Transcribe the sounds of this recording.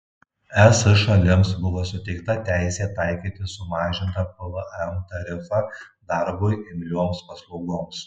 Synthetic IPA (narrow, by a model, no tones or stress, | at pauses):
ɛsɪʃɐlʲɪmsbʊʋoːsʊt̪ʲɛɪkt̪ɐt̪ʲæɪsʲeːt̪ɐɪkʲiːt̪ʲɪsʊmɑːʒʲɪnt̪ɐpɐʋəʔɛmt̪ɐɾʲɪfɑd̪ɐɾbojɪmʲlʲuɔmspɐslˠɔʊɡoːms